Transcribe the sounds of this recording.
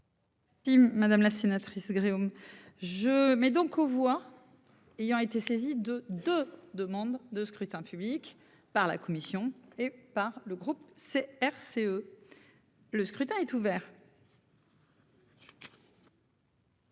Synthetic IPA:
imad̪amlasenat̪χisɡʁiomʒəmɛd̪ɔ̃kʰovwa | ejɑ̃et̪esezid̪əd̪ød̪əmɑ̃d̪ːəskχyt̪ɛ̃pʰyblik | paʁla̰kɔmisjɔ̃epaʁləɡʁupseɛʁseø | ləskχyt̪ɛ̃ɛt̪uvɛʁ

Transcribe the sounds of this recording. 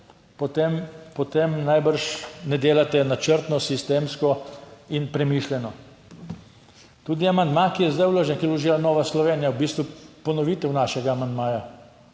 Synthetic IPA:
pɔt̪empɔt̪emnajbəɾʃnɛd̪eːlat̪ɛnat͡ʃəɾt̪nɔsist̪eːmskɔinpɾɛmiʃljɛnɔ | t̪uːd̪iamand̪makijɛzd̪ajwloːʒɛnkilɔʒiːlanɔːʋaslɔʋeːnijawbiːst̪ʋupɔnɔʋit̪ɛwnaʃɛɡaːmand̪maːja

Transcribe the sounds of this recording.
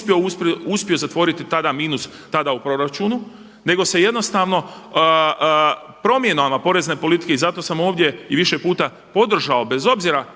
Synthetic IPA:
pjiouspio̞zat̪ʋo̞ːɾit̪it̪ad̪amiːnus | t̪ad̪aupɾo̞ɾat͡ʃunu | ne̞ɡo̞se̞je̞d̪no̞st̪aʋno̞ | pɾo̞mje̞nomapo̞ɾe̞zne̞po̞lit̪i̥ke̞izat̪o̞samo̞ːʋd̪ʲje̞iʋiʃepuːt̪a | po̞d̪r̩ʒao̞be̞zo̞bziɾa

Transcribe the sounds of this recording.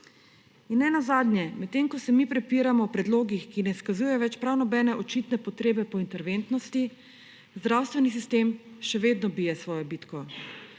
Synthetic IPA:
inːɛnazaːd̪njɛmɛt̪ːeːŋkɔsɛmipɾɛpiːɾamɔwpɾɛd̪loːɡixkinɛskazuːjɛʋɛt͡ʃpɾawnɔbɛːnɛʔɔt͡ʃit̪nɛpɔt̪ɾeːbɛpɔint̪ɛɾʋeːnt̪nɔst̪i | zd̪ɾawst̪ʋɛnis̬ist̪eːmʃɛʋeːd̪nɔbijɛsʋɔːjɔbiːt̪kɔ

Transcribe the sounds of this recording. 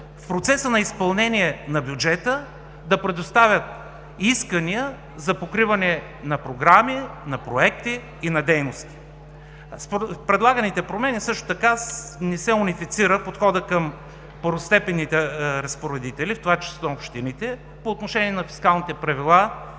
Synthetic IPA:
fpɾot̪sɛsənɐispɐlˠnɛniɛnɐbʲjud͡ʒɛt̪ə | d̪ɐpɾɛd̪ost̪avʲət̪̚ | iskəniə | zɐpokɾivɐnɛ | nɐpɾoɡɾaminɐpɾoɛkt̪iː | nɐd̪ɛjnost̪i̥ | ppɾɛd̪lˠaɡənit̪ɛpɾomɛnisɤʃt̪o̥t̪ɐkanɛsɛunifit̪siɾəpot̪xɔd̪əkəm | pəɾʊst̪ɛpɛnːit̪ɛɾɐspoɾɛd̪it̪ɛlift̪ovat͡ʃɛ̥st̪oopʃt̪init̪ɛ | poːt̪noʃɛniɛnɐfi̥skalˠnit̪ɛpɾɐvilˠa

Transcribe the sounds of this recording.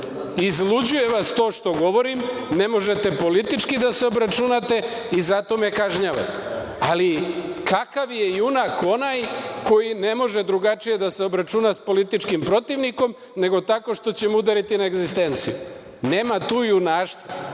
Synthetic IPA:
izlud͡ʑuje̞ʋast̪o̞ːʃt̪o̞ɡo̞ʋo̞ɾim | ne̞mo̞ʒe̞t̪e̞po̞lit̪it͡ʃkid̪ase̞o̞bɾat͡ʃunat̪e̞ | izat̪o̞me̞kaʒɲaʋa̰t̪e̥ | alikakaʋje̞iunako̞najko̞jine̞mo̞ʒe̞d̪ɾuɡat͡ʃije̞d̪ase̞o̞bɾat͡ʃunaspo̞lit̪it͡ʃkimpɾo̞t̪iʋniko̞m | ne̞ɡo̞t̪ako̞ʃt̪o̞t͡ɕemud̪aɾit̪inaeɡzist̪e̞nt̪siju | ne̞ːmat̪uːiunaːʃt̪a

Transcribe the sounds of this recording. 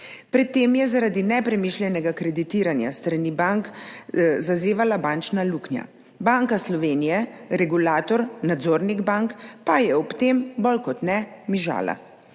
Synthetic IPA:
pɾɛt̪ːeːmjɛzaɾad̪inɛpɾɛmiːʃlʲjɛnɛɡakɾɛd̪it̪iːɾanja̰st̪ɾanibaŋk | zazeːʋalabaːnt͡ʃnaluknja̰ | baŋkaslɔʋeːnijɛɾɛɡulaːt̪ɔɾnad̪zoːɾniɡbaŋkpajɛɔpt̪embɔlkɔt̪nɛmiʒa̰ːla̰

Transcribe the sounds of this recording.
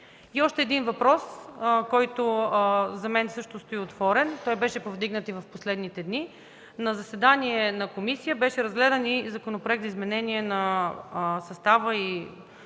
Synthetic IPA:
iɔʃt̪ɛːd̪invɐpɾɔskɔjt̪ozɐmɛnsɤʃt̪ost̪oiot̪vɔɾɛnt̪ɔjbɛʃɛpovd̪iɡnət̪ivɐfposlɛd̪nit̪ɛd̪ni | nɐzɐsɛd̪aniɛnɐkomisijəbɛʃɛɾɐzɡlɛd̪ənizɐkonopɾoɛkt̪izmɛnɛniɛnɐ | sɐst̪avəi

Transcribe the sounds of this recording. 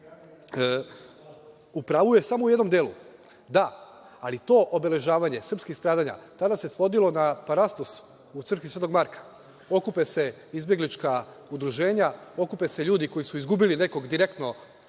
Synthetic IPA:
upɾaʋuje̞samoujed̪no̞md̪eːlu | d̪a | alit̪o̞ːʔobe̞le̞ʒaːʋaɲe̞sr̩pskixst̪ɾaːd̪aɲa̰t̪ad̪ase̞sʋo̞d̪ilo̞napaɾast̪os | ut̪sr̩kʋisʋe̞t̪oɡmaɾkḁ | o̞kupese̞ | izbje̞ɡlit͡ʃka | ud̪ɾuʒe̞ːɲao̞kupese̞ʎuːd̪iko̞jisuizɡubiline̞ko̞ɡd̪iɾe̞kt̪no̞

